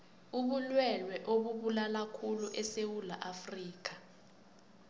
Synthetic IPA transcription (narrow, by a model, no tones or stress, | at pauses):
uɓulwɛlwɛʔoɓuɓulalakʰuluʔɛsewula̰ʔafriːk̬ḁ